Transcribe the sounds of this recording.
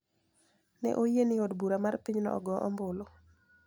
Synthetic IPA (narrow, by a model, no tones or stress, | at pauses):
nɛ̰ʔojenɪodbuɾamarpiɲnɔ̰ɔ̰ɡɔʔɔ̰mbʊlo